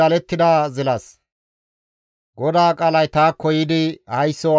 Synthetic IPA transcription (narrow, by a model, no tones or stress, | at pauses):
ɐlɛt̪ːɪd̪aːzɪlɐs | ɡɔd̪aːkʼaːlɐjt̪aːkːɔjɪd̪ɪhɐjsːɔ